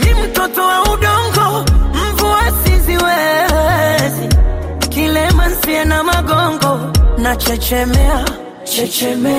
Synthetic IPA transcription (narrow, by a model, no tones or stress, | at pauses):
nim̩tɔtɔwauɗɔŋɡɔm̩vuwasiziwɛ | zi | kilɛman̩siɛnamaɡɔŋɡɔnat͡ʃɛt͡ʃɛmɛa | t͡ʃɛt͡ʃɛmɛ